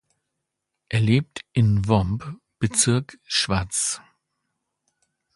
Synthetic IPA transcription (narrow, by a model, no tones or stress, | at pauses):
ʔeːɐleːp̚tʔɪnvɔmp | b̥ət͡sɪɐkʃv̥aɐt͡s